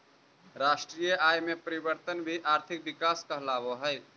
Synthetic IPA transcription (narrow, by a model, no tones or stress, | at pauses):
ɾaːʃʈɾijəaːjmepəɾibəɾt̪ənbʱiʔaːɾt̪ʰɪk̚bɪkaːskəɦlaːboɦəj